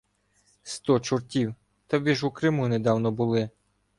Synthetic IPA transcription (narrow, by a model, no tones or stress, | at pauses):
st̪ɔt͡ʃʊrtʲiw | t̪ɐʋʲiʒukɾɪmuned̪ɑwnɔbʊlˠɪ